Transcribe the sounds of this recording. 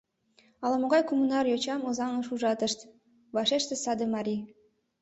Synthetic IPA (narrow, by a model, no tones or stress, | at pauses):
ɑlɑmoɣɑjkumunɑrjot͡ɕɑmozɑŋɤʃuʒɑt̪əʃt̪ | βɑʃeʃt̪ĕsɑd̪əmɑɾʲi